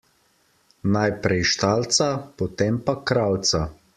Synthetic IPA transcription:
najpɾɛjʃt̪alt̪sapɔt̪eːmpakɾawt̪sa

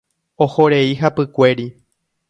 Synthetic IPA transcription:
ohoɾe̞iɦapɨkʷe̞ɾi

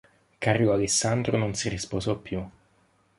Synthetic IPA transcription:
karjoalesːand̪ɾononsirisposɔpːju

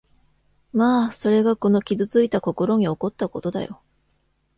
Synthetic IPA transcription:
maːso̞ɾe̞ɡako̞no̞kʲizɨt͡sɨit̪ako̞ko̞ɾo̞ɲ̟io̞ko̞t̪ːako̞t̪o̞d̪a̰jo̞̰

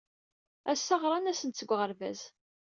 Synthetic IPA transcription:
æsːɑʁɾˤɑnæsənt̪t͡sːəɡʷʁəɾvæ̰z

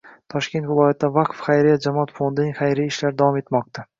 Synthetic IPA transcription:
t̪ʰɒʃkʲe̞nt̪vɪlˠɒjat̪̚ɪd̪avaqfχajɾijat̪̚d͡ʒamɒt̪fond̪ɪnɪŋχajɾijɪʃlaɾd̪avɒme̞t̪mɒq̚t̪ʰa

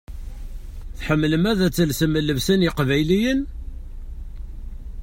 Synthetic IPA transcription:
θħəmːləmæðæt͡sːəlsəmːəlːəvsænjɪqvæjlijən

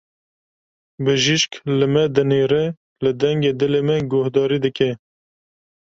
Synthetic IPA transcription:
bɨʒiʃklɨmɛd̪ɨneːɾɛ | lɨd̪ɛŋɡeːd̪ɨleːmɛɡʊhd̪ɑːɾiːd̪ɨkɛ

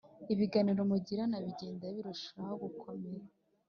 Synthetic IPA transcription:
iβiɡaniɾo̞muɟiɾanaβiɟeːndaβiɾuʃahoɡukʰo̞meɾa

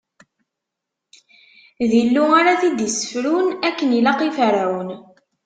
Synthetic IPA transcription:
ðilːuaɾaθid̪əsə̥fɾunækːənilɑqifɾawən

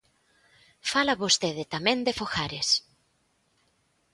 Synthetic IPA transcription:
falaβost̪eðɪt̪amẽnd̪efoxaɾes

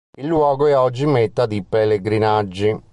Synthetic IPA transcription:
ilːwɔːɡoɛɔd͡ʒːimɛt̪ːad̪ipeleɡɾinad͡ʒːi

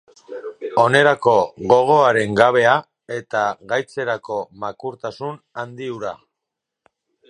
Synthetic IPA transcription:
o̞ne̞ɾako̞ɣo̞ɣ̞o̞aɾe̞ŋɡaβ̞e̞a | e̞t̪aɣajt͡se̞ɾako̞makuɾt̪asun | and̪iuɾa

